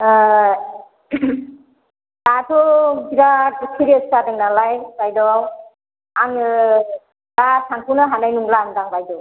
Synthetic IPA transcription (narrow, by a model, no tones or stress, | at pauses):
datʰɔɡiɾat̚kʰiɾieskadeŋnalajbajdɔw | aŋɯ | dasʰaŋpʰunɯɦanajnuŋlaŋdaŋbajdɔw